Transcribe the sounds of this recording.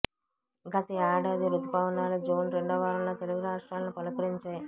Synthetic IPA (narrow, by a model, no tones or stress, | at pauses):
ɡɐt̪iaːɽaːd̪iɾud̪ɐpaːʋɐnaːlud͡ʒoːnɾeɳɖɐʋaːɾɐlloːt̪eluɡuɾaːʂʈɾaːlɐnupɐlɐkɐɾiɲt͡ʃeː